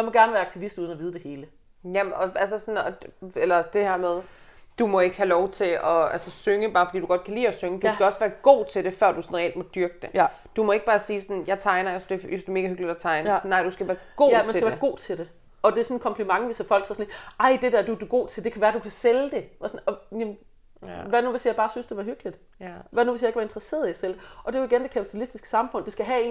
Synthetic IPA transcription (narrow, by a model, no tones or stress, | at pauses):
jɑmɒ̽ɡ̥æɐnəʋæːɐɑɡ̥̚t͡sʰiʋisd̥uðˠn̩ɒʋiːð̞ˠəd̥e̝he̝ːlə | jæɒ̽ælsəsɒ̽nɒelɐd̥e̝heɐ̰með̞ˠd̥umɒ̽e̝ɡ̥əhælɒʊt͡sʰe̝ɒ̽ælsəsøŋəb̥ɑ̈ːfd̥ḭːd̥uɡ̥ɒ̽d̥̚kʰælḭːɒsøŋəd̥usɡ̥æɒ̽sʋæːɐɡ̥o̝̰ːt͡sʰe̝ld̥e̝fɶɐd̥usɒ̽nʁɛeld̥̚mɒ̽d̥yɐɡ̥əd̥e | d̥umɒ̽e̝ɡ̥̚b̥ɑːsiːsɒnjɑ̈ɪt͡sʰɑ̈ɪnɐjesd̥e̝jsd̥eme̝ːɡ̥æɦøɡ̥lid̥æt͡sʰɑ̈ɪnsnːɑ̈ɪ̰d̥usɡ̥æʋæːɐɡ̥o̝̰mænsɡæʋæɐɡ̥o̝̰ːt͡sʰe̝ld̥e̝ | ɒ̽d̥esɔ̽nkʰɒ̽mpʰlimɑ̈ŋʋisæfɒ̽l̰ɡ̥sɒsɔneʔɑ̈ɪ̰d̥e̝d̥æɐd̥ud̥uɡ̥o̝̰ːt͡sʰe̝ld̥e̝kʰæʋæːɐd̥ukʰæseld̥e̝sɔnɒ̽jem | ʋænuʋesijɑɪb̥ɑːsynsd̥e̝ʋæɦøɡ̥lid̥ | ʋænuʋe̝sjɪɡk̚ʰʋæɐend̥ʁɐse̝̰ɐð̩ˠiæsel̰d̥eʔɒ̽d̥e̝joiɡend̥e̝kʰæpʰi̥t͡sʰælisd̥isɡ̥ə̥sɑ̈mfɔ̽n̰d̥esɡ̥æɦæe̝̰ː